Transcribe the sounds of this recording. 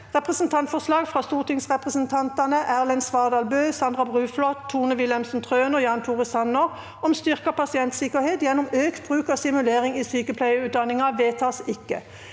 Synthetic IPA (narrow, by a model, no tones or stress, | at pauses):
ʁɛpʁɛsnt̪ʰɑnt̪fɔslɑːɡfʁɑːst̪uːʁt̪ʰɪŋsʁɛpʁəsənt̪ʰɑnt̪ɑnəʔæʁlɛnsʋɑːʁd̪ɑːlbøːsɑnd̪ʁɑbʁʉːflɔt̪ʰːuːnəʋɪlɛmsnt̪ʰʁøːnɔjɑːnt̪ʰuːʁəsɑnːəʁ | ɔmst̪ʏʁkɑpʰɑsɪɛnt̪sɪkəʁheːt̪jɛnːʊmøːkt̪bʁʉːkɑːsɪmʉleːʁɪŋiːsyːkəpʰlæɪəʉːt̪̚d̪ɑnɪŋɑʋeːt̪ʰɑːsɪkːə̰